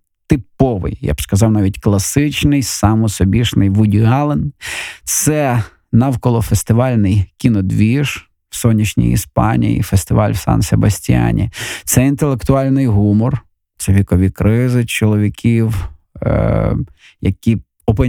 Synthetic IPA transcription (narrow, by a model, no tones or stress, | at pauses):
t̪ɪpɔʋɪ̰jja̰b̥skɐzɑwnɑʋʲitʲklˠɐsɪt͡ʃnɪjsɑmɔsɔbʲiʃnɪjʋʊdʲiɑlˠɪnt̪sɛ | nɑwkɔlˠɔfest̪ɪʋɑlʲnɪjkʲinɔd̪ʋʲiʒ̥ | w̥sɔnʲːit͡ʃnʲḭjḭspɑnʲḭjḭfest̪ɪʋɑlʲwsɑ̰nsʲḛbɐsʲtʲija̰nʲḭt̪sɛint̪elˠekt̪ʊɑlʲnɪjɦumɔr | t̪sɛʋʲikɔʋʲikɾɪzɪt͡ʃɔlˠɔʋʲikʲʰiw | jɐkʲi | ɔpɔ